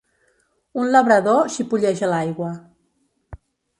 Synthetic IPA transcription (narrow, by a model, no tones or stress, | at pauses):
unləβɾəðoʃipuʎɛʒəlajɣwə